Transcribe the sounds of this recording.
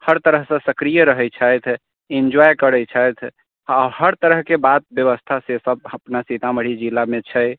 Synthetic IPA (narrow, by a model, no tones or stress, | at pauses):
həɾt̪əɾəɦsə̃səkɾijəɾəɦɛjt͡ʃʰəjt̪ʰ | ind͡ʒwajkəɾət͡ʃʰəjt̪ʰ | ahəɾt̪əɾəɦkebat̪̚bjəβəst̪ʰasesəb̚əpnasit̪aməɽ̤id͡ʒilamet͡ʃʰəj